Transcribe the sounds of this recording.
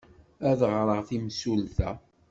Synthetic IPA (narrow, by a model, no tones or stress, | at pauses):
æðʁɾˤəʁθimsulθæ